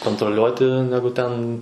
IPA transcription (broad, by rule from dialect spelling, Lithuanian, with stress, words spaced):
koːntroːˈlʲuɔtʲɪ ˈnʲæːɡʊ tʲɛn